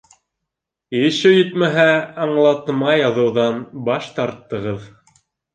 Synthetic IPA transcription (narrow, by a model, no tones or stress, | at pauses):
ɘ̆ʃɘjɵ̆t̪mæɦæɑɴlˠɑt̪mɑjɑðɤ̆wðɑnbɑʃt̪ɑɾt̪ːɤ̆ʁɤð